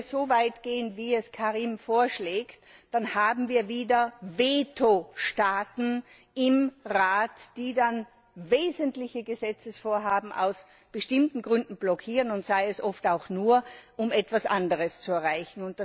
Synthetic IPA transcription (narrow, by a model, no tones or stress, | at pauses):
sz̥ovaɪtɡ̥eːənviːɛskʰaʁiːmfoːɐʃleːktd̥anhaːbm̩viːɐviːdɐveːtʰoʃtaːtn̩ | ɪmʁaːtd̥iːdan | veːzəntlɪçəɡəzɛt͡səsfoːɐɦaːbm̩ʔa̰ʊs | b̥əʃtɪmtn̩ɡʁʏndn̩blɔkʰiːʁənʊntsaɪɛsʔɔftaʊxnuːɐʔʊmɛtv̥asʔa̰ndəʁəst͡suɛɐʁaɪçn̩ʊnt̚d̥a